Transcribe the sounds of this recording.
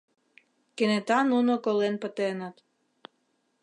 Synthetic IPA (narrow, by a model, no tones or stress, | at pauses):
kenet̪ɑnunokolenpə̆t̪enɑt̪